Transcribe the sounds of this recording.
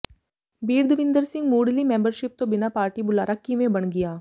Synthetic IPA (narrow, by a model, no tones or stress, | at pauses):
biːɾd̪ʱʋɪ̃nd̪əɾsɪ̃ŋɡmuːɖlimẽːmbəɾʃɪp̚t̪obɪnapaːɾʈibʊlaːɾakːimẽbɐɳɡɪjaː